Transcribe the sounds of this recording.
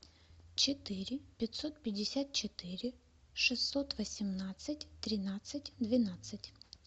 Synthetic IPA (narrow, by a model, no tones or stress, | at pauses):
t͡ɕɪt̪ɪɾʲɪpʲɪt̪ʲsot̪̚pʲɪdʲɪsʲat̪̚t͡ɕɪt̪ɪɾʲɪ | ʂɨsːot̪vəsʲɪmnat̪sɨtʲt̪ɾʲɪnat̪sɨt̚ʲd̪vʲɪnat̪sɨtʲ